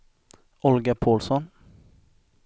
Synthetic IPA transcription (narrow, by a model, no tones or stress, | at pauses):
ʔɔlɡəpʰoːlsɔn